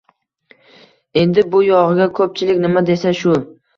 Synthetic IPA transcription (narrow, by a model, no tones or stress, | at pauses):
e̞nd̪ɪbʊjɒʁɨɡʲakʰɵp̚t͡ʃʰɪlɪkʲnɪmad̪e̞saʃʊ